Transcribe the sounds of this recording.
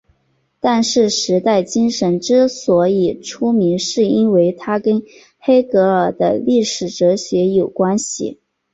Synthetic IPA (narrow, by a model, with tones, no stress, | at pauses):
t̪a˥˧nʂɻ̩˥˩ʂɻ̩˧˥t̪a˥˩ɪt͡ɕi˥ŋʂə˧˥nʈ͡ʂɻ̩˥swɔ˧˥i˨˩ʈ͡ʂʰu˥mi˧˥nʂɻ̩˥˩i˥nwe˧˥ɪt̪ʰa˥kə˥n | xe˥ɪkɤ˧˥ə˞˨˩d̪ə̰˦li˥˩ʂɻ̩˨˩ʈ͡ʂɤ˧˥ɕɥɛ˧˥jo˨˩ʊkwa˥nɕḭ˨˩